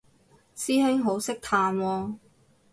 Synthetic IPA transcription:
siː˥ɦe˥ŋɦo˨˥wsɪ˥k̚t̪ʰaː˧nwɔː˧

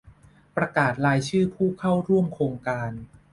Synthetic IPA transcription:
pɾa˧kaː˨˩t̪̚ɾaː˧jt͡ɕʰɯː˥˩pʰuː˥˩kʰa˥˩wɾu˥˩əmkʰɾoː˧ŋkaː˧n

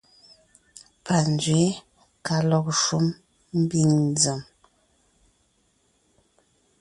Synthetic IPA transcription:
pa˨n˨d͡ʒɥe˨˦ | ka˨lɔ˨k̚ʃu˦m | m̩˦bi˦˨ŋd͡zə˨m

